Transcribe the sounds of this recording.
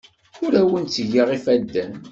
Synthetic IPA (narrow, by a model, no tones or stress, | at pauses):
ʊɾæwənt͡sːəʝiʁifæd̪ːæn